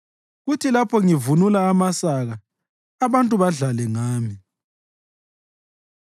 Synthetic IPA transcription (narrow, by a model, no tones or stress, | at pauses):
ɣutʰilapʰɔŋivunulaːmasaɣa | aβantʼuβaɮalɛŋaːmi